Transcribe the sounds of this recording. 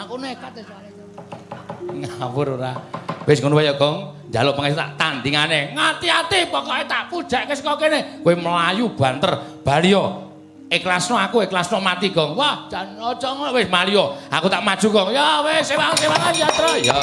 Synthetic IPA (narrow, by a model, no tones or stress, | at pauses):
akunekat̪eswale | ŋapʊɾuɾa̰wesŋunuwajɔɡ̥ɔ̤ŋnd͡ʒalɔpəŋɛst̪a̰ʔt̪and̪iŋaneŋat̪iat̪ikɔkɔet̪aʔkud̥ʒ̥a̤ʔkesəkɔkenekoeməlajub̥a̤nt̪ərb̥a̤liɔ | eklasnɔakueklasnɔmat̪iɡɔŋwahd͡ʒanɔd͡ʒɔŋɔwesmalijɔa̰kut̪aʔmad̥ʒ̥ṳɡɔŋjawesewaŋsewaŋand͡ʒat̪ɾɔja